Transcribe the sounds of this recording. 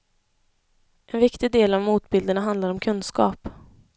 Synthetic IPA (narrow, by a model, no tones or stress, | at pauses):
ʔɛnvɪkt̪ɪɡd̪eːlavmuːt̪bɪld̪əɳaɦand̪laɾɔmkʰɵnskɑ̰ːp